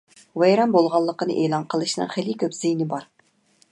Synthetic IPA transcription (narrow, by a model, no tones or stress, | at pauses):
wejɾɑmbolˠʁɑlˠːəqənɨ̰ʔeːlˠɑnqʰəlˠɨʃnɨ̰ŋχelikʲʰøpz̥ijnɪbɑɾ